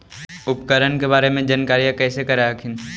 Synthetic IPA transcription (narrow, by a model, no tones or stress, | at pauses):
ʊpkəɾənkebaːɾemẽd͡ʒaːnkaːɾijãkɛːsekɐɾaəkʰɪn